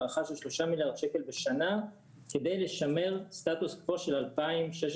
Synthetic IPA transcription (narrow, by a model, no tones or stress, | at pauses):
ʁaχaʃelʃlo̞ʃamiljaʁd̪ʃekelbe̞ʃana | kede̞jle̞ʃame̞ʁst̪at̪uskvoʃelalpaimʃeʃ